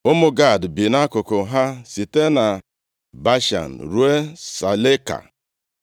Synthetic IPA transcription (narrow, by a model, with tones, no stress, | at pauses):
ʊ˦mʊ˦ɡa˦˨dbi˨na˦kʊ˨kʊ˨ɦa˦si˨te˦na˨ | ba˦ʃa̰˨n̩˨ɾu˦e˦sa˨le˦ka̰˨